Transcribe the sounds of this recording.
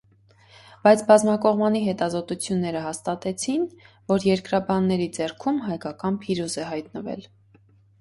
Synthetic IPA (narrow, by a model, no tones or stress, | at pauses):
b̥ɑjt͡sʰbɑzmɑkɔʁmɑniɦɛt̪ɑzɔt̪ut͡sʰjunːɛɾəɦɑst̪ɑt̪ɛt͡sʰin | vɔɾjɛɾkɾɑbɑnːɛɾid͡zɛrkʰumɦɑjkɑkɑnpʰiɾuzɛɦɑjt̪nəvɛ̰l